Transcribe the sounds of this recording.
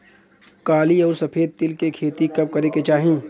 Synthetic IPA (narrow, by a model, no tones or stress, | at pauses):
kaːliɔːɾsɐpʰeːd̪̚t̪ɪlkekʰeːt̪ikɐb̚kɐɾeket͡ʃaːɦĩː